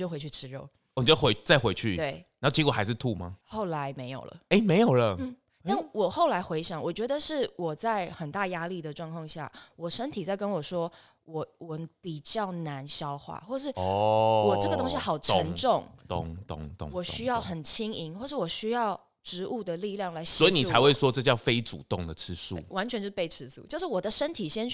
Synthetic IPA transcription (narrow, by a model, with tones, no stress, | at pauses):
t͡ɕo˥˩xwe˧˥t͡ɕʰy˥˩ʈ͡ʂʰɻ̩˧˥ɻo̰˥˩ʊ˨˩˨t͡ɕo˥˩we˧˦ɪ˥˩t͡sa˥˧ɪxwe˧˥ɪt͡ɕʰy̰˥˩t̪we˥˩ɪna˨˦˥t͡ɕi˧˥kwɔ˨˩xa˧˥ɪʂɻ̩˥˧t̪ʰu˥˨ma̰˨˩xo˥˩ʊla˧˦ɪme˧˥ɪjo̰˨˩ʊlə̰˩e˥˩ɪme˧ɪjo˨˩ʊlə˨n̩˥˩ | t̪a˥˩nwɔ˨˩xo˥˩ʊla˧˥ɪxwe˧˥ɪɕjɑ˨˩˦ŋwɔ˨˩t͡ɕɥɛ˧˥d̪ə˧ʂɻ̩˥˩wɔ˨˩t͡sa˥˩ɪxə˨˩nt̪a˥˩ja˥li˥˩d̪ə˩ʈ͡ʂwɑ˥˧ŋkʰwɑ˥˧ŋɕja̰˥˩wɔ˨˩ʂə˥nt̪ʰi˨˩t͡sa˥˩ɪkə˦˥nwɔ˨˩ʂwɔ˥ | wɔ˨˩˦wɔ˨˩pi˨˩t͡ɕjɑ˥˩ʊna˧˦nɕjɑ˥ʊxwa̰˥˩xwɔ˥˧ʂɻ̩˥˩wɔ˨˩ɤ˥ɡə˩t̪ʊ˥ŋɕi˦xɑ˨˩ʊʈ͡ʂʰə˧˦nʈ͡ʂʊ˥˨ŋt̪ʊ̰˥˧˩ŋt̪ʊ̰˥˧ŋt̪wɔ˨˩ɕy˥jɑ˥˩ʊxə˨˩nt͡ɕʰi˥ŋi˧˥nxwɔ˥˧ʂɻ̩˥˩wɔ˨˩ɕy˥jɑ˥˩ʊ | ʈ͡ʂɻ̩˧˥ʔu˥˩d̪ə˩li˥˧ljɑ˥˩ŋla˨˧˥ɪswɔ˧˥i˨ni˨˧t͡sʰa˧˦ɪxwe˥˩ɪʂwɔ˦ʈ͡ʂɤ˥˧t͡ɕjɑ˥˧ʊfe˥ɪʈ͡ʂṵ˨˩t̪ʊ˥˩ŋd̪ə˨˩ʈ͡ʂ̩ʰ˥sṵ˥˩wa˧˥nt͡ɕʰɥɛ˧nt͡ɕo˥˧˥pe˥˩ɪʈ͡ʂʰɻ̩˥sṵ˥˩t͡ɕjo˥˧ʊʂɻ̩˥˩wɔ˨˩d̪ə˦ʂə˥nt̪ʰi˨˩ɕjɛ˥n